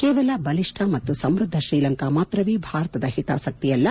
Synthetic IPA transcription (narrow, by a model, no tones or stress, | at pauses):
kɛːʋɐlɐbɐliʂʈʰɐmɐt̪ːusɐmɾud̪ʱːɐʃɾiːlɐŋkamaːt̪ɾɐʋiːbʱaːɾɐt̪ɐd̪ɐhit̪a̰ːsɐk̚t̪ijɐlːɐ